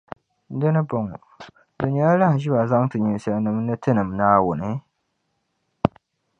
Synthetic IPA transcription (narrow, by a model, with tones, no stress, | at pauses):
dɨ˦nɨ˦bɔ˨ŋɔ˨ | dʊ˨ɲi˨˦a˦la˦hʒɪ˦ba˨za˦ŋtɨ˨ɲu˨sɛ˨lnɨ˨m˦nɨ˦tɨ˦nɨ˨mnaː˦wʊ˨nɨ˨